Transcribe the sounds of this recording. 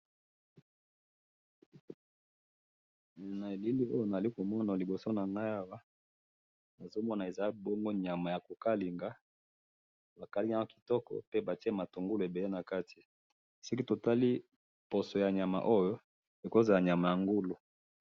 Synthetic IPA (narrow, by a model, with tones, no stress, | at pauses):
na˨e˨li˦li˦o˦jo˦na˨a˨li˦ko˨mɔ˦na˨li˨bo˨so˦na˨ŋɡa˦ja˦wa˦ | na˨zo˦mɔ˦na˨e˨za˨˦bɔ˦ŋɡo˦ɲa˨ma˨ja˨ko˨ka˦li˨ŋɡa˦ | ba˨ka˨li˦ɲa˦a˦ki̥˨tɔ˦kɔ̰˦pe˦ba˨ti˦ɛ˦ma˨to˨ŋɡu˦lo˨e˨be˨le˦na˨ka˦ti˨ | si˦k̬i˦to˨ta˦li˦ | po˨so˨ja˨ɲa˨ma̰˨ʔo˦jo˦ | e˨ko˦za˨la˨ɲa˨ma˨ja˨ŋɡu˦lo˨